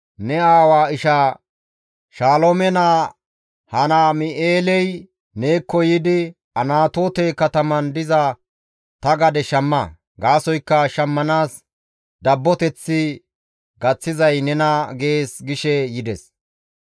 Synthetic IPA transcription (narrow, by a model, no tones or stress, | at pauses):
nɛaːwaːɪʃa | ʃaːlomɛnaː | hɐnaːmɪʔeːlɛj | neːkːɔjɪd̪ɪ | ɐnaːt̪o̞ːt̪ɛkɐt̪ɐmɐnd̪ɪzɐ | t̪ɐɡɐd̪ɛʃɐmːɐ | ɡaːsɔjkːɐʃɐmːɐnaːs | d̪ɐbːɔt̪ɛt͡sːɪ | ɡɐt͡sːɪzɐjnɛnɐɡeeːsɡɪʃɛjɪd̪ɛs